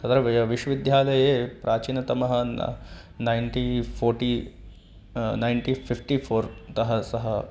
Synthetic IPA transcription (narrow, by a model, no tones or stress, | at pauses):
kɐt̪ɾɐʋiʃʋid̪ʱjaːlɐjeːpɾʔaːt͡ʃinɐt̪ɐmɐɦɐnːɐ̰ | najnʈiːpʰoːɾʈiː | najɳʈiːpʰifʈifʰoːɾt̪ɐɦɐsɐɦɐ